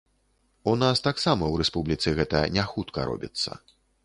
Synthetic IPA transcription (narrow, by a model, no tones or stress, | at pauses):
unast̪aksamɐwɾɛspublʲit̪sɨɣɛt̪ɐ̰nʲaxut̪kɐ̰ɾɔ̰bʲḭt̪sːɐ̰